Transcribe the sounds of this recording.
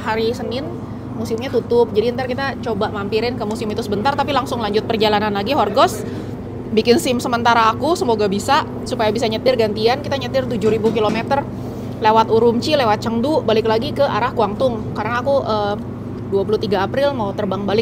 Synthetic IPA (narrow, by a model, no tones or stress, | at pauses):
ɦaɾisənɪn | musɪmɲat̪ut̪ʊp̚d͡ʒadiənt̪arkit̪at͡ʃobamampiɾɪnkəmusɪmit̪usəbənt̪art̪apilaŋsʊŋlaɲd͡ʒʊt̪̚pərd͡ʒalananlaɡiɦɔrɡɔs | bikɪnsɪmsəmənt̪aɾaːkusəmoɡabisa | supajabisaɲət̪ɪrɡant̪iankit̪aɲət̪ɪrt̪ud͡ʒuɾibukilomet̪ər | lewat̪uɾumt͡ʃilewat̪̚t͡ʃəŋdubalɪklaɡikəʔa̰ɾahkuaŋt̪ʊŋkaɾənaːkuʔə | duapuluht̪iɡaːpɾɪlmaut̪ərbaŋbalɪk̚